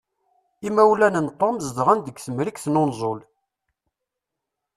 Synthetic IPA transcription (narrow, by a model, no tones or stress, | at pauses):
imæwlænənt̪ˤːɑmzəd̪ʁænd̪əɡθəmɾikθnonzˤol